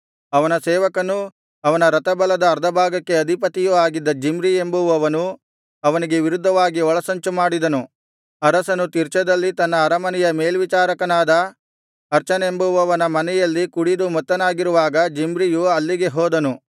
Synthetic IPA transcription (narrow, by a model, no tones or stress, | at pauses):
ɐʋɐnɐsɛːʋɐkɐnu | ɐʋɐnɐɾɐt̪ɐbɐlɐd̪ɐːɾd̪ʱɐbʱaːɡɐkːe̞ɐd̪ʱipɐt̪ijuaːɡid̪ːɐd͡ʒimɾie̞mbuʋɐʋɐnu | ɐʋɐniɡe̞ʋiɾud̪ʱːɐʋaːɡiɔɭɐsɐɲt͡ʃumaːɽid̪ɐnu | ɐɾɐsɐnut̪iɾt͡ʃɐd̪ɐlːit̪ɐnːɐːɾɐmɐnɛjɐmeːlʋit͡ʃaːɾɐkɐnaːd̪ɐ | ɐɾt͡ʃɐnɐembuʋɐʋɐnɐmɐnɛjɐlːikuɽid̪umɔt̪ːɐnaːɡiɾuʋaːɡɐd͡ʒimɾijuɐlːiɡe̞ɦɔːd̪ɐnu